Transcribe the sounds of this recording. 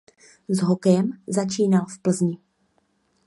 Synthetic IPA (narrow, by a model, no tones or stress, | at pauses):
zɦokɛjɛmzat͡ʃiːnalfpl̩zɲɪ